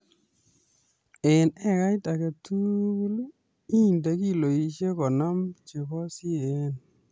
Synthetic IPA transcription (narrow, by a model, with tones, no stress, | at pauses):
e˨nɛ˦ka˦jta˨ke˨tu˦ku˦lu˦ | i˦˨nda˨ki˦lo˨i˨ʃe˦kɔ˨nɔ˦mt͡ʃe˨kɔ˦si˦e˦n